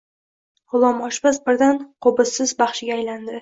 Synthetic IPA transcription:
ʁʊlˠɒmɒʃbasbɪɾd̪anqʰobɪsɪzbɑχʃɪɡʲaːjland̪ɪ

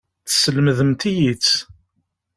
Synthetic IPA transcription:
θə̥səlməðəmt̪ijit͡sː

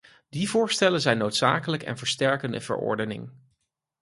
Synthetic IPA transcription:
divʊːɹstɛlənzɛjnowtsa̰ːkələkɛ̰nvəɹstɛɹkəndə̰v̥ə̰ɹɔ̰ɹdənɪ̰ŋ

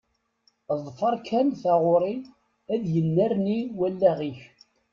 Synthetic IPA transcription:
ðˤfəɾˤkʰænθæʁoɾˤi | æðjənːæɾniwælːæʁiç

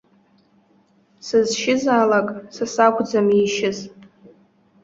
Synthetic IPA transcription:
sɨzʃɪzaːlakʼsɨsakʷʰʼd͡zamiʃɪzʼ

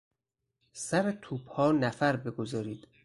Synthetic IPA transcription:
sæɾet̪ʰuːb̥hɒːnæfæɾbe̞ɡozɒːɾiːd̪̥

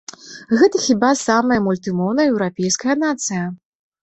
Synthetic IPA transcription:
ɣɛt̪ɐxʲibasamɐjɐmulʲt̪ɨmɔwnɐjɛwɾapʲɛjskɐjɐnat̪sɨjɐ

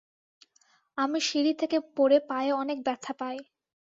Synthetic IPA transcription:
amiʃiɾit̪ʰekepoɾepaeɔnek̚bɛɾt̪ʰːapaj

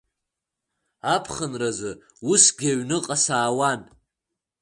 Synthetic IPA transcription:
apʰχənrazɨ | usɡʲaɥnɨqʼasaːwan

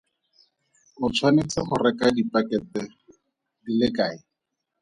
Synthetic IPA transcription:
ʊt͡sʰwanɪt͡sɪχʊrɛkadipakɛtɛ | dilɪkaːɪ

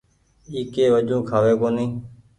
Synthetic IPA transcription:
iːkeːʋəd͡ʒũːkʰaːʋeːkoːnĩː

